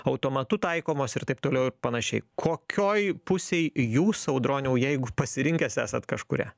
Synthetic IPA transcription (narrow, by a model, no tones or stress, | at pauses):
ɐʊt̪oːmɐt̪ʊt̪ɐɪkoːmoːsɪrt̪ɐɪp̚t̪oːlʲɛʊɪɾpɐnɐʃʲɛɪkʰoːkʲoːjpʊsʲeɪjuːsɐʊd̪ɾoːnʲɛʊjɛɪɡʊpɐsʲɪɾʲɪŋʲkʲɛsæ̰ːsɐt̪kɐʃkʊɾʲæ̰ː